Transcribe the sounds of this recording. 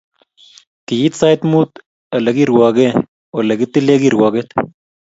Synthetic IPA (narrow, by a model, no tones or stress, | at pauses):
kijit̪saːjt̪muːt̪ | ɐlɐɡiɾuwaːɡe | olɐɡit̪ileɡiɾuwaːɡet̪